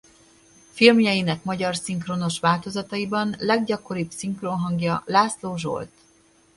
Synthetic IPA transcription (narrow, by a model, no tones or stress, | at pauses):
filmjɒjinɛkmɒɟɒrsiŋkrono̞ʃʋaːlt̪o̞zɒt̪ɒibɒnlɛɡɟɒko̞ɾibsiŋkronɦɒŋɡjɒlaːsloːʒo̰lt̪